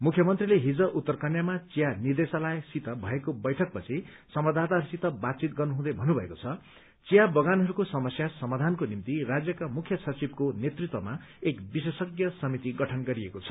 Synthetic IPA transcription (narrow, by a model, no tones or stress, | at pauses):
mukʰjʌmʌnt̪rileɦid͡zʌʔut̪ːʌrkʌnjamat͡sijanird̪esalajsit̪ʌbʱʌekobʌjʈʰʌk̚pʌt͡sʰi | sʌmʌd̪ʱat̪aɦʌɾusit̪ʌbat̪̚t͡sit̪ɡʌrnuɦũd̪ʌbʱʌnːubʱʌekot͡sʰʌ | t͡sijabʌɡanɦʌɾukosʌmʌsjasʌmad̪ʱankonimt̪irad͡zjʌkamukʰjʌsʌt͡sibkonet̪rit̪wʌmaekbisesʌɡjʌsʌmit̪iɡʌʈʰʌnɡʌɾiekot͡sʰʌ̥